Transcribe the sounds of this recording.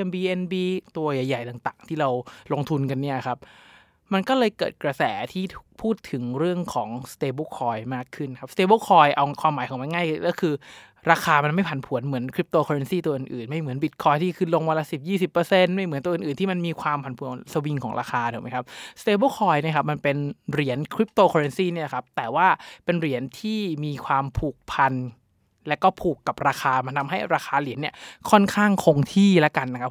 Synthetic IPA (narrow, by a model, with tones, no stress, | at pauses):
mbiː˧ʔe˧nbiː˧t̪u˧ɐja˨˩jːa˨˩jt̪aː˨˩ŋt̪aː˨˩ŋt̪ʰiː˥˩ɾa˧wlo˧ŋt̪ʰu˧nka˧nːi˥˩ɐ˩kʰa˦˥p̚ | ma˧nkɔː˥˩lɤː˧jkɤ̰ː˨˩t̪̚kɾa˧sɛː˩˦t̪ʰiː˥˩t̪ʰu˩k̚pʰuː˥˩t̪ʰɯ˩˦ŋɾɯ˥˩əŋkʰɔː˩˦ŋst̪eː˧boː˧˥˩kʰɔː˧jmaː˥˩kʰːɯ˥˩nkʰa˦˥p̚st̪eː˧boː˥˩kʰɔː˧jʔa˧wkʰwaː˧maː˩˦jʰkʰɔ˩˦ma˧nŋaː˥˩jɔː˥˩kʰɯː˧ | ɾaː˧xʰaː˧ma˧nma˥˩jpʰa˨˩˦npʰu˨˩˦ənmɯ˩˦ənkʰɾi˦˥p̚t̪oː˧kʰɔː˧ɾe˧nsiː˥˩t̪u˧ɐʔɯ˨˩nʔɯː˨˩nma˥˩jmɯ˩˦ənbi˨˩t̪̚kʰɔː˧jt̪ʰiː˥˩kʰɯː˧˩lo˧ŋwa˧la˧˥si˨˩p̚jiː˥˩si˨˩pːɤː˧se˧nma˥˩jmɯ˩˦nt̪u˧ʔnʔɯː˨˩nt̪ʰiː˥˩ma˧nmiː˧kʰwaː˧mpʰa˨˩npʰu˨˩˦sa˧wi˧ŋkʰɔː˩˦ŋɾa̰ː˧xaː˧t̪u˨˩˦m˦˥jkʰa˦˥p̚st̪eː˧boː˥˩kʰɔː˧jni˥˩kʰa˦˥p̚ma˧npe˧nɾi˨˩˦ənkʰɾi˦˥p̚t̪oː˧˩kʰɔ˧e˧nsiː˥˩ni˥˩lkʰa˦˥p̚t̪ɛː˨˩waː˥˩pe˧nɾi˨˩˦ənt̪ʰiː˥˩miː˧kʰwaː˧mpʰuː˨˩k̚pʰa˧n | lɛ˦˥wkɔː˥˩pʰuː˨˩kːa˨˩p̚ɾaː˧xʰaː˧ma˧nt̪ʰa˧mɦa˥˩jɾaː˧xʰaː˧li˨˩˦ənːi˥˩ɐkʰɔ˥˩nkʰaː˥˩ŋkʰo˧ŋt̪ʰiː˥˩la˦˥ka˧nː˧˦kʰa˦˥